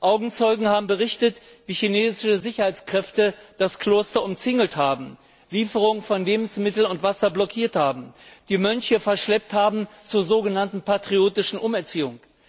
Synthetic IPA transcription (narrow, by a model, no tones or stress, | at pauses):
ʔaʊɡŋ̩t͡sɔʏɡŋ̩haːbm̩bəʁɪçtətviːçineːzɪʃəzɪçɐhaɪt͡skʁ̥ɛftəd̥askʰl̥oːstɐʊmt͡sɪŋəl̩thaːbm̩ | liːfəʁ̞ʊŋfɔnleːbm̩smɪtl̩nʊntv̥asɐblɔkʰiːɐthaːbm̩d̥iːmœnçəfɛɐʃlɛp̚thaːbm̩t͡suːɐzoːɡənantn̩patʁ̥ioːtɪʃn̩ʔʊmɛɐt͡siːʊŋ